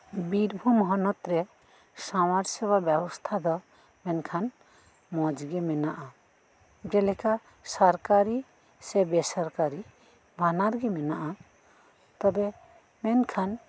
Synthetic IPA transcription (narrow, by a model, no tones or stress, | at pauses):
biɾbʱumɔɦɔnɔt̪ɾɛ | samaɾsɛbabɛbɔst̪ʰad̪ɔ | mɛnkʰan | mɔd͡ʒɡɛmɛnaʔa | bɾɛlɛka | sɔɾkaɾi | sɛbɛsɔɾkaɾi | bʱanaɾɡɛmɛnaʔa | t̪ɔbɛ | mɛnkʰan